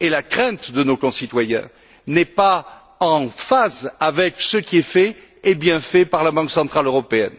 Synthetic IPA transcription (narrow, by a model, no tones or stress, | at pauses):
elakχɛ̃t̪d̪ənokɔ̃sit̪wajɛ̰̃ | nɛpa | ɑ̃fazavɛksəkiɛfɛ | ɛbjɛ̃fɛpaʁlabɑ̃ksɑ̃t̪χaløʁɔpeɛn